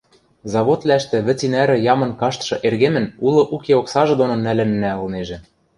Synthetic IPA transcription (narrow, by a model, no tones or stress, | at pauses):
zɑβot̪læʃt̪ɘ̆βɘ̆t͡sinæɾɘ̆jɑmɤ̆nkɑʃt̪ʃɤ̆ʔerɣemɘ̆nulˠɤ̆ʔukeoksɑʒɤ̆d̪onŏnælɘ̆nːæɤ̆lneʒĕ